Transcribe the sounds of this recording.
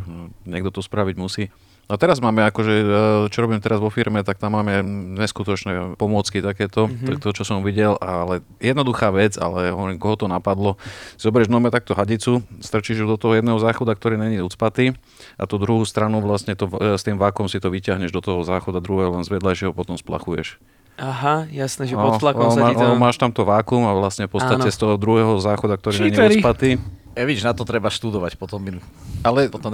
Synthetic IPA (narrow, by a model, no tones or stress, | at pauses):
ɲɛɡ̚d̪ɔt̪ɔspɾaʋiɟmusiː | at̪ɛɾazmaːmɛakɔʒɛt͡ʃɔɾɔbiːmt̪ɛɾazʋɔfiɾmɛt̪ak̚t̪amːaːmɛɲɛskut̪ɔt͡ʃnɛpɔmʊɔt͡skit̪akɛːt̪ɔt̪ɔʎk̚t̪ɔɦɔt͡ʃɔsɔmʋiɟɛlalɛ | jɛd̪nɔd̪uxaːʋɛd͡za̰lɛɦɔʋɔɾiːmkɔɦɔt̪ɔnapad̪lɔsizɔbɛɾɛʒnɔmɛt̪aku̥t̪ɔɦaɟit͡sust̪r̩t͡ʃiʒud̪ɔt̪ɔɦɔjɛd̪nɛːɦɔzaːxɔd̪ak̚t̪ɔɾiːɲɛɲiut͡spat̪i | ʔa̰t̪ud̪ɾuɦuːst̪ɾanuʋlasɲɛt̪ɔst̪iːmʋaːkɔmsit̪ɔʋicɪaɦɲɛʒd̪ɔt̪ɔɦɔzaːxɔd̪ad̪ɾuɦɛːɦɔlɛnzʋɛd̪laʒɛɦɔpɔt̪ɔmspla̰xujɛ̰ʃ | aɦajasnɛʒɛpɔlakɔmaɔmaːʃt̪amt̪ɔʋaːkumaʋlasɲɛpɔt̪aɛst̪ɔɦɔd̪ɾuɦɛːɦɔzaːxɔd̪ak̚t̪ɔɾiːnɛɲiuɾt͡sipat̪i | ɛʋiʒnat̪ɔt̪ɾɛbaʃt̪ud̪ɔʋacpɔt̪ɔm | alɛ